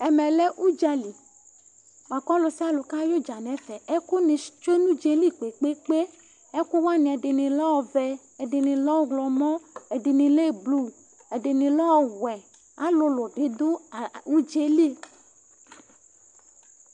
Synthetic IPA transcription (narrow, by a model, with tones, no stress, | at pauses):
ɛ˨mɛ̃˨le˦ʔu˦d͡ʒa˨li˨ | ma˨kɔ˦lo˨si˦a˦lo˨ka˦jo˦d͡ʒa˨nɛ̃˨˦fɛ˨ɛ˦ku˦nĩ˨˦t͡ʃo˦e˦nũ˦d͡ʒe˨li˦k͡pe˨k͡pe˦k͡pe˦ | ɛ˦ku˦wa˦nĩ˨ɛ˨de˨nĩ˨lɔ˦ɔ˨vɛ˨ | ɛ˨de˨nĩ˨lɔ˦ɡlɔ˨mɔ̃˦ɛ˨di˨nĩ˨le˦˨blu˦ | ɛ˨ɖe˨nĩ˨lɔ˦ɔ˨wɛ˨ | a˨˦lo˦lo˨ɖe˦d̪o˦˨u˦d͡ʒe˦li˦